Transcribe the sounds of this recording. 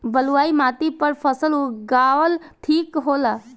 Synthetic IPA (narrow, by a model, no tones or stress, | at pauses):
bəluaːimat̪ipəɾpʰəsəluɡaʋəlt̪ʰikɦola